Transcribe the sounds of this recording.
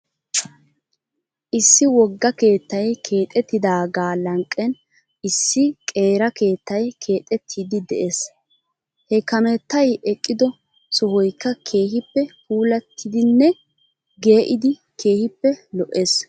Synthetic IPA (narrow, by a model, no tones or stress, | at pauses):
ʔɪsːɪwɔɡːɐke̞ːt̪ːɐjkʰe̞ːt̪ʼɛt̪ːɪd̪aːɡaːlɐŋkʼːɛn | ʔɪsːɪkʼe̞ːɾɐke̞ːt̪ːɐjkʰe̞ːt̪ʼɛt̪ʰːiːd̪ɪd̪ɛʔes | hɛkɐmɛt̪ːɐjɛkʼːɪd̪ɔ | sɔhɔjkːɐkʰe̞ːɦɪpːɛkuːlɐt̪ʰːɪd̪ɪnːɛ | ɡe̞ːʔɪd̪ɪ | kʰe̞ːhɪpːɛlɔʔeːs